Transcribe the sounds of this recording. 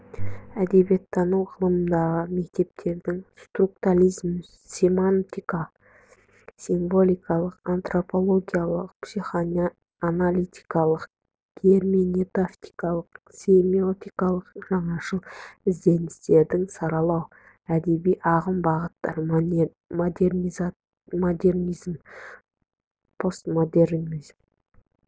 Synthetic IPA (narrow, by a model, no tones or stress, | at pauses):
æd̪e̞bjet̪ʰːɑnəwʁəlˠəmənd̪ɑʁəme̞k̚t̪e̞p̚t̪ʰe̞ɾd̪ɪŋst̪rukt̪ualʲizm | sʲemant̪ika | siɱvo̞lʲˠijkɑlˠəqant̪ro̞po̞lˠoɡʲijalˠəq̚psiχa | analʲit̪i̥kɑlˠəq | kʲʰeɾminet̪aft̪i̥kɑlˠəqsʲemiot̪ikɑlˠəqʒɑɴɑʃəlˠɪzd̪e̞nɪst̪e̞ɾd̪ɪŋsɑɾɑlˠɑw | æd̪e̞bijʔɑʁəmbɑʁət̪ːɑ̰ɾ | d̪niː | od̪e̞rnizm | pʰo̞st̪mod̪eɾizm